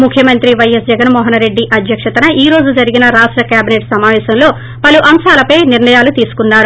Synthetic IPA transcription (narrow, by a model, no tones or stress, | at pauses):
mukʰːjɐmɐnt̪ɾiʋɐjɐsd͡ʒɛɡɐnmɔːɦɐnɾe̞ɖːiʔɐd̪ʱjɐkʂɐt̪ɐnɐʔiːɾo̞ːd͡ʒud͡ʒɐɾiɡinɐɾaːʂʈɾɐkjaːbineːʈsɐmaːʋɛːsɐmlo̞ː | pɐluʔɐmʃaːlɐpɐjniɾɳɐjaːlut̪iːsu̥kunːaːɾu